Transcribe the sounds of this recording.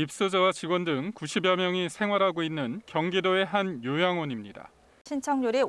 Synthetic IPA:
ip̚s͈ɯd͡ʑʌwat͡ɕiɡwʌndɯŋkuɕʰibjʌmjʌŋisʰe̞ŋɦwaɾɦaɡoinːɯnkjʌŋɡidoe̞ɦanjojaŋwʌɲimɲida̰ | ɕʰint͡ɕʰʌŋɲuɾe

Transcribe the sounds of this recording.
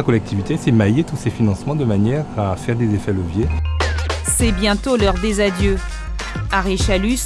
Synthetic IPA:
akɔlɛk̚t̪ʰivit̪esɛmajet̪usefinɑ̃smɑ̃d̪əmanjɛʁafɛʁd̪ezefɛləvje | sɛbjɛ̃t̪olœʁd̪ezad̪jø | aʁeʃalys

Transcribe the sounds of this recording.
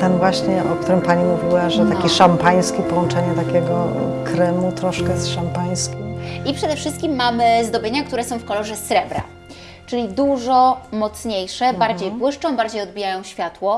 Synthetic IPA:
t̪ɛnvwaɕɲɛʔɔk̚t̪uɾɘmpaɲimuvʲiwaʐɛt̪akʲiʂampaj̃skʲipɔwɔnt͡ʂɛɲɛt̪akʲɛɡɔkɾɛmut̪ɾɔʂkɛsʂampaj̃skʲimipʂɛd̪ɛfʂɘst̪̚kʲimːamɘzd̪ɔbʲjeɲakt̪uɾɛsɔ̃w̃fkɔlɔʐɛsɾɛbɾa̰ | t͡ʂɘlʲid̪uʐɔmɔt̪sɲejʂɛbaɾd͡ʑejpwɘʂt͡ʂɔ̃w̃baɾd͡ʑejɔd̪̚bʲijajɔ̃w̃ɕfʲjat̪wɔ

